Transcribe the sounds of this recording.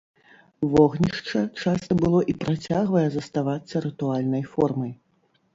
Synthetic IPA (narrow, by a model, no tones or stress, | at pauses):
vɔɣnʲiʂt͡ʂɐt͡ʂasɐbɨlˠɔʔipɾʔat͡sʲaɣvɐjɛzɐst̪avat̪sːɐɾɨt̪ualʲnɐjfɔrmɐj